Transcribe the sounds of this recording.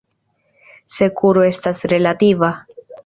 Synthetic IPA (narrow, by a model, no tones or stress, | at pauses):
se̞kʰuɾoe̞stasɾe̞lat̪iva